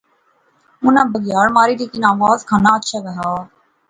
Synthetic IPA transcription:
ʊnãːbəɡɪjaːɽmaːɾiːɾiːkɪnaːʋaːzkʰaːnaːətːʃʰaːɡəɦaː

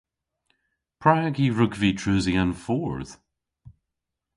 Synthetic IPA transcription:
pʰɹ̥aɡiɹʉɡvitʰɹʉːziãnfɔɹð̥

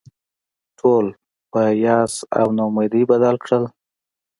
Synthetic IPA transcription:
ʈʰol | pəjɑsa̰wnomad̪ibad̪alkɽəl

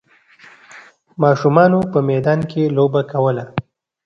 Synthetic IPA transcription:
mɑʃumɑnopəmɛd̪ɑnkʰelobakawəla

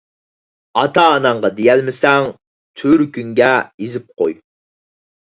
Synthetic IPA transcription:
ɑt̪ʰɑːnɑɴʁɑd̪ejɛlmɪsɛŋ | t̪ʰyɾkʲyŋɡʲɛizɪp̚qʰo̰j

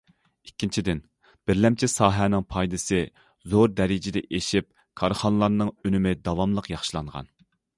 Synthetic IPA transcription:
ikʲːint͡ʃʰid̪ɪn | b̥ɪɾlɛmt͡ʃʰisɑːɦɛnɪŋpʰɑjd̪ɨsɨ | zoɾd̪ɛɾɪd͡ʒɪd̪ɛ̰ʔeʃip̚ | kʰɑɾχɑnlˠɑɾnɨŋønɪmɪd̪ɑvɑmlˠəqjɑχʃilˠɑɴʁɑ̰n

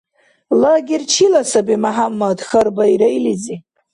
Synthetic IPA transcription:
laɡʲirt͡ʃʰilasabimaħamːadxarbaiɾajlid͡zi

